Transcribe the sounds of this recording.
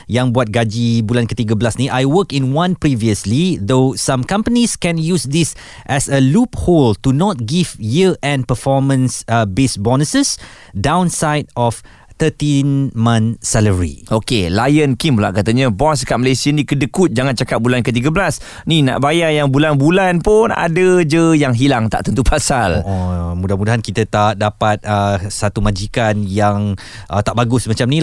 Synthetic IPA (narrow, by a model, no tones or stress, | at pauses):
jãŋbuat̪̚ɡad͡ʒibulankət̪iɡəbəlasnĩʔajwəkĩnwãnpɾiviəslid̪osãmkãmpəniskɛ̃njusd̪is | ʔɛsəlupholtunɔt̪̚ɡivjiəɛ̃npəfɔmə̃nsbesbɔnəsəs | dãw̃nsajdɔf | t̪ətĩnmãnsɛləɹḭʔokelajənkimla̰ʔkat̪aɲə̃bɔnsəkat̚malesianikədəkut̪̚d͡ʒaŋant͡ʃakap̚bulankət̪̬iɡəbəlas | nina̰ʔbajajaŋbulanbulanpʊna̰dəd͡ʒəjaŋɦilaŋt̪a̰ʔt̪ənt̪upʰasalɔmudahmudaɦankit̪ət̪aʔ̪̚dapat̪̚əsat̪umad͡ʒikanjaŋ | ʔət̪aʔbaɡʊsmat͡ʃamni